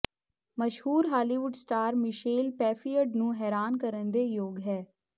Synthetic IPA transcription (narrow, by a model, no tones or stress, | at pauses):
məʃhuːɾɦaːliːʋʊɖsʈaːɾmɪʃeːlpɛːfijəɖnũːɦɛːɾaːnkəɾənd̪eːjoːɡɦɛː